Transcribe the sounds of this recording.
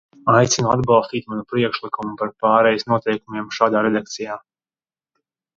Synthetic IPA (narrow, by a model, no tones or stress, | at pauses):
ajt̪sinua̰d̪balˠst̪iːt̪manupɾiɛkʃlˠikumupaɾpaːɾɛjisnuɔt̪ɛjkumiɛmʃaːd̪aːɾɛd̪ak̚t̪sijaː